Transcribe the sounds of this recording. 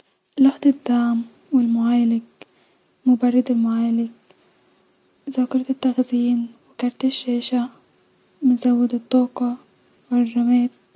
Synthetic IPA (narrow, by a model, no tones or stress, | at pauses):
lʊħt̪ɪd̪ːaːʕm | wɪlmʊʕaːlɪk | mʊbarˤːɪd̪ɪlmʊʕaːlɪk̚ | zaːkɑɾˤt̪ɪt̪ːaxzˤiːnwɪkɑɾˤt̪ɪʃːeːʃa | mɪnzawːɪd̪ɨt̪ˤːoːqɑ | wɪrˤːɑmeːt̪̚